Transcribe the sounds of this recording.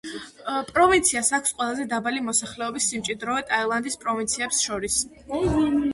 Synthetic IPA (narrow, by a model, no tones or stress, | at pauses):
pʼɾɔvint̪sʰiasakʰsqʼwɛlˠazɛd̪abalimɔsaχlɛɔbisːimt͡ʃʼid̪ɾɔɛt̪ʼaɛlˠand̪ispʼɾɔvint̪sʰiɛpsʃɔɾis